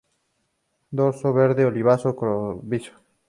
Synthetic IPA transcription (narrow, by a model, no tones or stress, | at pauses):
d̪oɾsoβeɾðeoliβ̞asokɾoβiso̥